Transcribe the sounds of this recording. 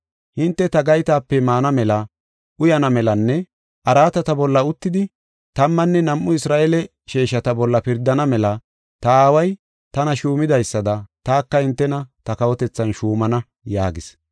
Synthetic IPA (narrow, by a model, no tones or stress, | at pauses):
hɪnt̪ːɛt̪ɐɡɐjt̪aːpːɛmaːnɐmɛlɐ | ʔʊjɐnɐmɛlɐnːɛ | ʔɐɾaːt̪ɐt̪ɐbɔlːɐʊt̪ːɪd̪ɪ | t̪ɐmːɐnːɛnɐmʔːʊɪsɾaːʔelɛ | ʃeːʃɐt̪ɐbɔlːɐpɪɾd̪ːɐnɐmɛlɐ | t̪ɐaːwɐj | t̪ɐnɐʃuːmɪd̪ɐjsːɐd̪ɐt̪aːkːɐhɪnt̪ːɛnɐt̪ɐkɐwɔt̪ɛt͡sːɐnʃuːmɐnɐ | jaːɡɪs